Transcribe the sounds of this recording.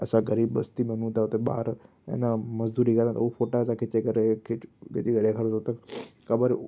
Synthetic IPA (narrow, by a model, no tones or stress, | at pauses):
ɐsãɡɐɾiːbːɐst̪imɐn̤ũt̪ʰaʊt̪eɓa̰ːɾ | ḛnamɐzd̪uːɾikɐɾə̃t̪ɐufoːʈasãkʰɪt͡ɕekɐɾekʰɪkʰɪt͡ɕeɡɐɗekʰɐɾt̪ot̪ɐkɐbəɾ